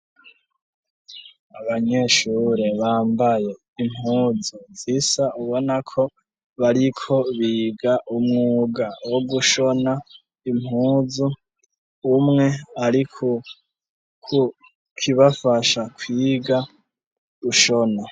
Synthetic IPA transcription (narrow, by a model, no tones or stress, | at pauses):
aβaɲe̞ʃuɾe̞βaːmbaje̞ | imhuːzuzisauβo̞nakʰo̞ | βaɾikʰo̞βiːɡaʔumŋuːɡawoɡuʃo̞na | imhuːzuː | mŋe̞aɾikʰo | kʰu | kʰiβafaʃakʰwiːɡa | uʃo̞na